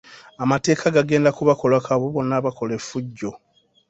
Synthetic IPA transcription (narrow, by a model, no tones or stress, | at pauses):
amate̞ːkʰaɡaɡe̞ːndakuβakolakʰaβoβo̞nːaːβako̞lefːuɟːo̞